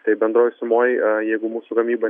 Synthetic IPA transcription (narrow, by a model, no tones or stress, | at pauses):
t̪ɐɪbʲɛnd̪ɾoːjsʊmoːjjɛɪɡʊmuːsʊkɐmʲiːbɐ